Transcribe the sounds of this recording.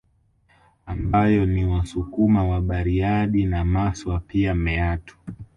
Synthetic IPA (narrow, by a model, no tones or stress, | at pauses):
ambajɔniwasukumawaɓaɾiaɗinamaswapiamɛatʰu̥